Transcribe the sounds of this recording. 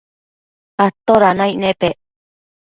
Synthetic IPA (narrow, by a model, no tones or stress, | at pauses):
at̪oɾanãiʔnẽpeʔ